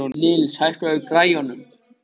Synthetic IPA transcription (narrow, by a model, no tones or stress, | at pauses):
ɔnɪːlɪshajr̥t̪vɛɣʏkɾaːjɔnʏm